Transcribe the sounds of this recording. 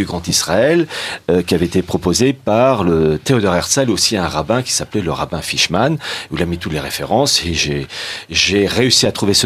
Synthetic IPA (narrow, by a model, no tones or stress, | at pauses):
yɡʁɑ̃t̪isʁaɛløkʲiavɛet̪epχɔpozepaʁlət̪eɔd̪ɔʁɛʁt̪sɛlosiɛ̃ʁabɛ̃kʲi̥saplɛləʁa̰bɛ̃fiʃmanuilamit̪ut̪leʁefḛʁɑ̃seʒeʒeʁeysiat̪χuvesə